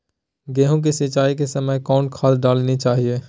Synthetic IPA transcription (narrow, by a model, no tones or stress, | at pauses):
ɡeːɦõk̬isɪt͡ʃaːik̬esɐməjkaːɳʈkʰaːlɖaːlnit͡ʃaːɦie